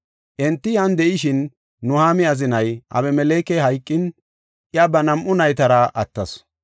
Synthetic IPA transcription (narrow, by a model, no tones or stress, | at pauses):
ʔɛnt̪ːɪjɐnd̪ɛʔɪʃɪnː | ʊhaːmɪɐzɪnɐjʔɐ̰βɛmɛleːkɛɦɐjkʼːɪn | ʔɪjɐbɐnɐmʔʊnɐjt̪ɐɾɐʔɐt̪ːɐs